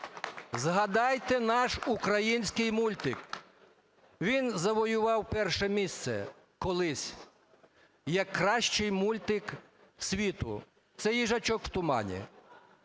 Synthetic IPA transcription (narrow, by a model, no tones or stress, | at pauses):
zɦɐd̪ɑjt̪ɛnɑʃukɾɐjinʲsʲkɪjmulʲt̪ɪk | ʋʲinzɐʋɔjʊʋɑwpɛrʃɛmʲist̪sɛ̰ | kɔlˠɪsʲ | jɐkːɾɑʃt͡ʃɪjmulʲt̪ɪk | sʲʋʲit̪ʊ̰ | t̪sɛjiʒɐt͡ʃɔkwt̪ʊmɑ̰nʲḭ